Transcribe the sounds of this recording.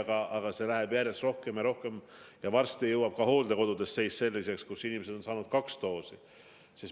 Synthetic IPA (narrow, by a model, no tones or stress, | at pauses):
ɡ̥ɑʔɑɡ̥ɑse̞læɦeb̥jæɾe̞sro̞hke̞mjɑɾo̞hke̞mjɑvɑrst̪ijɤwːɑb̥̚kɑho̞ːld̪e̞ko̞d̪ud̪̥e̞st̪se̞jsse̞lːise̞kskusinimesed̪o̞nsɑːnud̪̥̚kɑkst̪o̞ːsi | sis